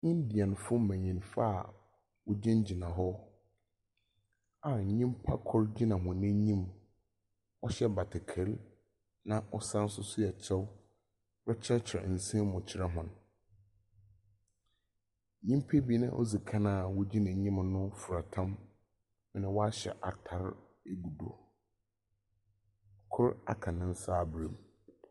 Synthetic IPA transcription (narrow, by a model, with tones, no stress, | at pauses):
ɲɪ̃˦ndɪ˨ɛ˨n˨fʊ˦mæ̃˨ɲĩ˨nfa˦˨ | wʊ˦d͡ʑĩ˦nd͡ʑi˨nã˨ɦɔ˦ | a˨ɲĩ˦mpʰa˦kʰɔ˦ɾd͡ʑi˦nã˨ɦʊ̃˨nɪ̃˦ɲĩ˦m | ɔ˦ɕɛ˦ba˨tʰɪ˨kʰe˨l | nã˦ʔɔ˦sã˦n̩˦sʊ˦sʊ˦jɛ˨t͡ɕʰɛ˦w | ɾɛ˦t͡ɕʰɛ˦t͡ɕʰɪ˨ɾɛ̰˨n̩˨sĩ˦mʊ̃˨t͡ɕʰɪ˨ɾɛ˦ɦʊ̃˨n˨ | ɲĩ˦mpʰe˦bi˦nɪ̰̃˦ʔɔ̰˦zi˨kʰã˦nã˦˨wɔ˦d͡ʑi˦nã˨ɲĩ˦mnʊ̃˦fʊ˨ɾa˨tʰã˦m | mɪ̃˦nɪ̃˨wɔ˦a˦ɕɛ̰˨ʔa˨tʰa˨ɾ | e˦ɡu˨do˨ | kʰʊ˦ɾa̰˦kʰã˨nɪ̃˦n̩˦saː˦˨bɾĩ˨m